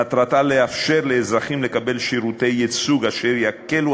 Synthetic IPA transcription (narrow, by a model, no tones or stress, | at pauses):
at̪ʁat̪ale̞afʃe̞ʁleːzʁaχimle̞kabe̞lʃiʁute̞jet͡suɡaʃe̞ʁjakelu